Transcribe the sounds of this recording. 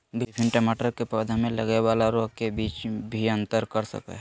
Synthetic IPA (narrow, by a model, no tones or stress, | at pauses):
bipʰɪɳʈəmaʈəɾkepəd̪ʱmẽləɡɛwalaɾoɦkebiːt͡ʃbʱiə̃nt̪əɾkəɾsə̰kə̰ɦ